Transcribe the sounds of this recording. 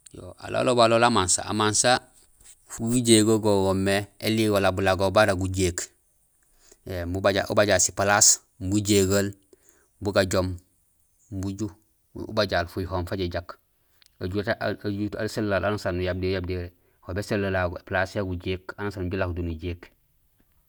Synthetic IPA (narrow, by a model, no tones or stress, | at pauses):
jo̰a̰lo̰lobaloːlamansa̰a̰mansa | fujuɟeːɡoɡoɡomːeeliwolabulaɡobaɾaɡuɟeːk | embubaɟaʔṵbaɟaːlsi̥palas | buɟeɡal | buɡaɟom | buɟṵː | baɟaːlfujuhoːmfaɟeɟak | aɟutd͡ʒutalsellalanusanːujab̚dejab̚deɾe | hobeselːalaɡoeplasjaɡuɟeːkanasanɟulakdunuɟeːk